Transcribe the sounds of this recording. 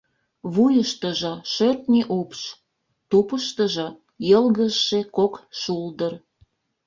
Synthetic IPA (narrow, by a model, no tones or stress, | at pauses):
βujəʃt̪əʒɤ̆ʃørt̪nʲiʔupʃ | t̪upəʃt̪əʒɤ̆ | jəlɣəʃːekokʃuld̪ər